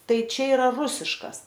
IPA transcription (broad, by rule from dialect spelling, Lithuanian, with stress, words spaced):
ˈtɐɪ ˈt͡ʃʲɛ ɪˈrɐ ˈrʊsʲɪʃkɐs